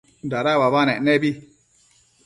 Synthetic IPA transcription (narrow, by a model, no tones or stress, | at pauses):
daɾawabanɛnɛbi